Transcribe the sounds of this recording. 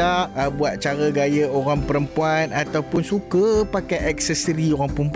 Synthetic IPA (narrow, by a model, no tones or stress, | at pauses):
aʔbuat̪̚t͡ʃaɾəɡajəoɾaŋpəɾəmpuanat̪awpʊnsukəpakajʔɛk̚səsəɾioɾaŋpəɾəmp